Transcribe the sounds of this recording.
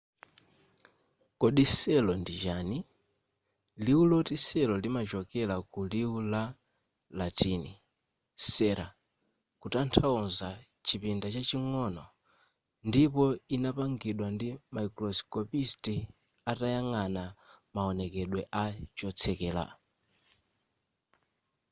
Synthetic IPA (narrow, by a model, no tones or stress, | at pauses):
kɔɗisɛlɔndid͡ʒaːni | liulɔtisɛlɔlimat͡ʃɔkɛlakuliula | latinḭ | sɛɾa̰ | kutantʰaɔnza | t͡ʃʰipindat͡ʃat͡ʃiŋɔnɔ | ndipɔinapaŋɡiɗwandimaiklɔskɔpisti | atajaŋanamaɔnɛkɛɗwɛʔat͡ʃɔt͡sʰɛkɛːla̰